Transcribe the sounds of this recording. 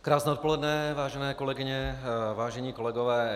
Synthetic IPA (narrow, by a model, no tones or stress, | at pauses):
kɾaːsnɛːot̪po̞lɛdnɛvaːʒɛnɛːkolɛɡɪɲɛvaːʒɛɲiːko̞lɛɡovɛː